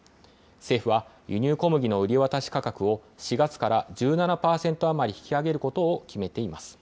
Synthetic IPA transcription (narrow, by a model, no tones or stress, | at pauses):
se̞ːɸɯ̟βajɯ̟ɲ̟ɨːko̞mɯ̟ɡʲino̞ɯ̟ɾʲiβat̪aɕi̥kakakɯ̟o̞ɕiɡat͡sɨ̥kaɾad͡ʑɨːnanapaːsẽ̞nt̪o̞amaɾʲiçi̥kʲiaɡe̞ɾɯ̟ko̞t̪o̞ːkʲime̞t̪e̞imasɨ̥